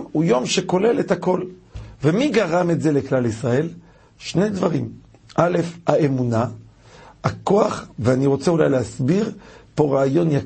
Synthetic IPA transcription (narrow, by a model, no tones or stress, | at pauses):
ujo̞mʃeko̞le̞let̪ako̞lvemiɡaʁametze̞leklalisʁae̞l | ʃnejd̪vaʁim | ʔale̞fhaemuna | ako̞aχveaniʁo̞t͡seulajleɦasbiʁpo̞ʁaːjo̞nja